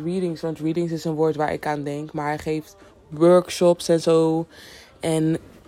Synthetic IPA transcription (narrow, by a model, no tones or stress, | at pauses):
ɹiːdɪŋsʋɑntɹiːdɪŋsɪsənʋoːɹtʋaːɹʔɪ̰kaːndɛŋkmaːɹɦɛχejft | ʋøɹkʃɔpsɛnzow | ʔɛn